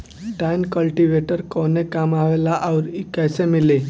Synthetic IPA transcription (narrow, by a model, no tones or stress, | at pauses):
ʈajnkəlʈiʋeʈəɾkɔnekamaʋelaʔawɾikajsemile